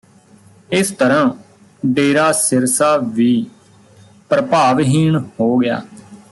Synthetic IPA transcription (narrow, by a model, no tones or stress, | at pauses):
ɪst̪əɾãː | ɖeːɾaːsɪɾsaːʋiː | pɾəpaːʋɦiːɳhoːɡɪja̰ː